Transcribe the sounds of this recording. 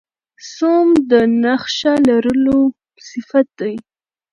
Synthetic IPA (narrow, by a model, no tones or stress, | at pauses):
somd̪ənaxʃalaɾəlo | sɪfat̪̚d̪aj